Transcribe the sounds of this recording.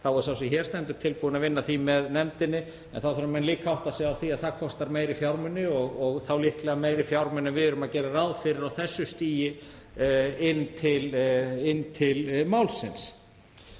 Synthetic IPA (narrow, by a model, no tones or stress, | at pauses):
θawɛɾsawsiçɛːɾ̥t̪ɛnt̪ʏ̥t̪ʰɪlpuːðɪnaðvɪnːaθimɛðnɛmt̪ɪnːɪ | ɛ̰nθawθʏɾamɛnliːkʰaawht̪asɛawθiaðθakʰɔst̪aɾmeːjɾɪfjawɾmʏnːɪɔɣɔɣθawlihklɛɣameːjɾɪfjawɾmʏnɛnvɪðʏɾʏmaðcɛːɾarawðfɪɾɪɾawθɛsːʏst̪iːjɪ | ɪnːt̪ʰɪlɪnːt̪ʰɪlmawlsɪns